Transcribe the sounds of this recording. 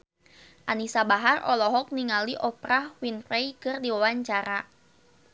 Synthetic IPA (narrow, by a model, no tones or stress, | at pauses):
ʔanisabaɦarɔ̰lɔɦɔk̚niŋaliʔɔpɾahwinfɾejkɨrdiwawaɲt͡ʃaɾa